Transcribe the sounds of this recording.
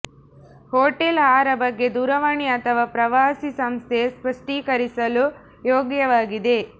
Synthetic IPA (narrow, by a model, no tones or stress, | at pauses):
hoːʈelɦaːɾɐbɐɡːe̞d̪uːɾɐʋɐɳiɐt̪ʰɐʋaːpɾɐʋaːsisɐmst̪ʰespɐʂʈiːkɐɾisɐlu | joːɡjɐʋaːɡid̪e̞